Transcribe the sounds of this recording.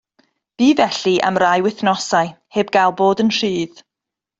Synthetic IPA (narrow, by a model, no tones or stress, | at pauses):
b̥iːvɛɬiʔa̰mrajwɪθnɔsaɨheːb̚ɡajlˠboːdənr̥ɨːð